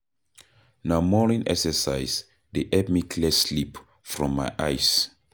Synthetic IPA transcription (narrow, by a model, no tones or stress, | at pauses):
namɔnĩnʔɛ̰ksəsajz | deʔɛd̚mikʰlɛslip | fɹɔ̃mːajʔajs